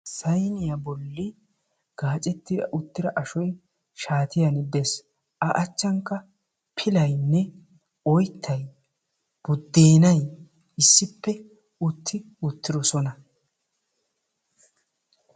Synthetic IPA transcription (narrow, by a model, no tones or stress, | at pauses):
sɐjnɪjɐbɔlːɪ | ɡ̥aːt͡ʃʼɛt̪ːɪdɐ̰ʔʊt̪ːɪɾɐʔɐʃɔj | ʃaːt̪ɪjɐnɪb̪ɛs | ʔɐʔɐt͡ʃːɐŋkːɐ | pʰɪlɐjnːɛ | ɔjt̪ʰːɐj | b̥ʊd̪ːeːnɐj | ɪsːɪpːɛ | ʊt̪ʰːɪ | ʊt̪ːɪɾɔsɔnɐ